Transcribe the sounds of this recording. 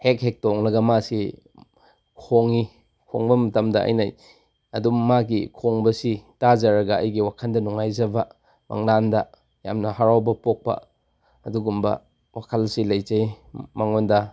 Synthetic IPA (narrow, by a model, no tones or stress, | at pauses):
hek̚hek̚toŋlɐɡɐmasi | kʰoŋi | kʰo̰ŋbɐmɐtɐmdɐʔɐ̰jna̰j | ɐdumaɡikʰoŋbɐsitazɐɾɐɡɐɐ̰jɡiwakʰɐndɐnuŋajzɐbɐ | mʔa̰ŋnandɐ | ja̰mnɐhaɾawbɐpok̚pɐ̰ | ɐduɡumbɐ̰ | wakʰɐlsilɐjzɐj | maŋondɐ